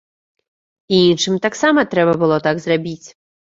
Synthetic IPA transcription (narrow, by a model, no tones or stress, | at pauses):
iinʂɨmt̪aksamɐt̪ɾɛbɐbɨlˠɔt̪aɡzrabʲit͡sʲ